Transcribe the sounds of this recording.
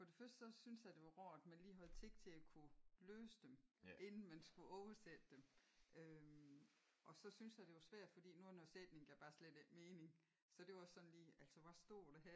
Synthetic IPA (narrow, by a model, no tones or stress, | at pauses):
fɒ̽d̥e̝fɶɐsd̥sɒ̽synsjɑ̈d̥e̝ʋɑ̈ʁɒ̰ːd̥mænliːɦæð̩ˠt͡sʰe̝ɡ̥t͡sʰe̝ækʰuløːsəd̥emʔe̝nn̩mænsɡ̥uʔɒʊɐsed̥əd̥emø | ʔɒ̽sɒ̽synsjɑ̈ɪd̥e̝jʋɑ̈sʋæɐ̰d̥fɒ̽d̥ḭːnunɒsed̥ne̝ŋɡ̥æb̥ɑ̈ːsled̥eɡ̥me̝ːne̝ŋ | sɒ̽d̥e̝ɒsɒ̽n̩liːæl̰sɒʋæsd̥o̝ɐ̰d̥eɦæɐ